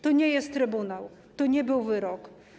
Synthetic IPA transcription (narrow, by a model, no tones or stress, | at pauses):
t̪ɔɲɛjɛst̪ːɾɘbunaw | t̪ɔɲɛbɘwvɘɾɔk